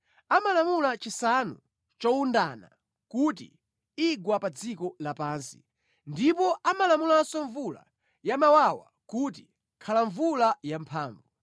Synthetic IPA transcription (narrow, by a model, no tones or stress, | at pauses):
amalamulat͡ʃisanu | t͡ʃɔundana | kut̬ḭ | iɡwapad͡zikɔlapaːnsi̥ | ndipɔamalamulansɔɱvula̰ | jamawawa̰ | kut̬i̥ | kʰalaɱvulajampʰaːɱvu